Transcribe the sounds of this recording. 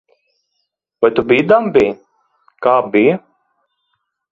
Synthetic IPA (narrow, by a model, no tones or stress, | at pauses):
vajt̪ubijd̪ambij | kaːbijɐ